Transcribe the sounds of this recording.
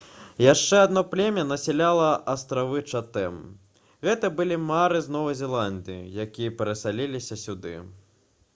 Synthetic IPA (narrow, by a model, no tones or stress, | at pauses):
jaʂt͡ʂɛad̪nɔplʲɛmʲɐnɐsʲɛlʲalˠɐʔɐst̪ɾavɨt͡ʂat̪ɛm | ɣɛt̪ɐbɨlʲimaɾɨznɔvɐjzʲɛlˠand̪ɨjḭjakʲijɐpʲɛɾɐsalʲilʲisʲɐsʲud̪ɨ̰